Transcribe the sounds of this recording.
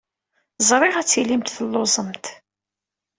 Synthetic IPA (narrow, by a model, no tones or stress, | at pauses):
zˤɾˤɪʁæt͡sːilimt̪θəlːozˤəmt̪